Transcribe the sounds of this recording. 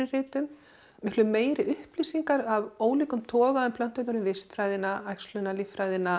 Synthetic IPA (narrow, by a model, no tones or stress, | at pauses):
ɪrɪːt̪ʏm | mɪhklʏmeːjɾɪʏhpliːsiŋkaɾavoːwliːkʏmt̪ʰɔːɣaðʏmpʰlœn̥t̪œt̪aɾʏmvɪst̪fɾaːjðɪnaajkslʏnalifɾajðɪna